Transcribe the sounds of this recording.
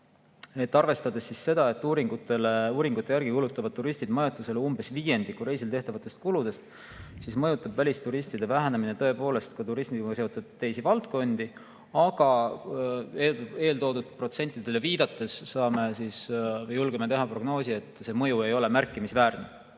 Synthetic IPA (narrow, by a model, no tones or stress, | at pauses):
e̞t̪ːɑrve̞st̪ɑd̪̥esːisːe̞d̪̥ɑe̞t̪ːuːɾiŋɡ̥ut̪ːe̞leuːɾiŋɡ̥ut̪ːˑe̞jæɾɡ̥ikulut̪ːˑɑvɑd̪̚t̪ːuɾist̪id̪mɑjɑt̪ˑːuse̞leumb̥e̞sviːje̞nd̪̥ikːuɾe̞js̬ilt̪e̞ht̪ɑvɑt̪ːˑe̞st̪̚kulud̪e̞st̪ | sismɤjut̪ːˑɑbvælʲist̪uɾist̪id̪e̞væɦæneminet̪ɤ̞e̞po̞ːle̞st̪̚kut̪uɾismid̪ɑse̞ot̪ːud̪̥̚t̪ːe̞jsivɑlt̪ko̞nd̪̥i | ɑɡ̥ɑ | eeːlt̪o̞ːd̪ud̪̥̚pro̞t̪se̞nʲt̪ːˑid̪̥e̞le̞viːd̪̥ɑt̪ːˑe̞sːɑːme̞sisvjːulɡ̥emet̪e̞ɦɑpro̞ɡ̥no̞ːsie̞t̪ːˑse̞mɤ̞jue̞jo̞le̞mærkːˑimisvæːrne